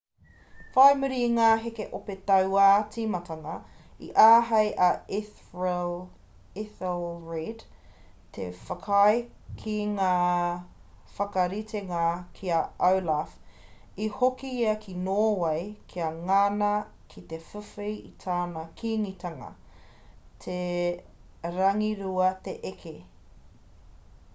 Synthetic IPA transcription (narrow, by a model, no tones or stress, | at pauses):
fajmuɾiŋaːɦekeʔopet̪ɐwat͡simɐtɐŋɐḭʔaːɦɐjʔɐ | iθəlˠɹid | t̪ʰḛfɐkʰɐj | kʰiŋaː | fɐkɐɾitʰeŋakʰiɐɐwlaf | ihokiiɐkʰinoːwɐjkʰiɐŋaːnɐ | kʰit̪efufijḭt̪ʰaːnɐkʰiːŋit̪ʰɐŋɐ̰ | t̪ʰe | ɾɐŋiɾuɐt̪eʔekʰe